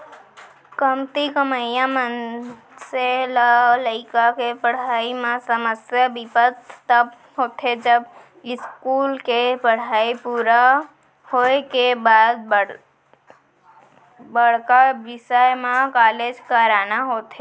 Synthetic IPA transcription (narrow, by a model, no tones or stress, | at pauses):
kəmt̪ikəməjãmən | selaləɪkakepəɽ̤aːimãsəməsjabipət̪t̪əb | ɦoːt̪ʰed͡ʒəb | ɪskuːlkepəɽ̤aːipuːɾa | hoekebaːd̪̚ | bəɽ̤kaʋɪsəjmãkaːled͡ʒkaɾaːnaɦoːt̪ʰe